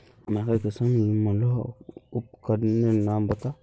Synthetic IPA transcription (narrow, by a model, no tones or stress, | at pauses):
makakəsanimalohupkadnenambata